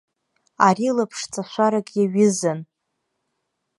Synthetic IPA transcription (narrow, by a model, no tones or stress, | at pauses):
aɾilapʰʂt͡sʼaʃʷaɾaɡʼjaɥɪzan